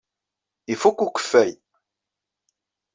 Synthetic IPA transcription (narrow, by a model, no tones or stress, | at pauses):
ifukːukːə̥fːæj